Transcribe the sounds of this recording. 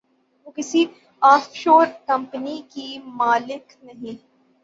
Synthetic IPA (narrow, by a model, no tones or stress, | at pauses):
ʋoːkɪsi | aːfʃoːɾkɐ̃mpnikimaːlɪk | nɐɦĩ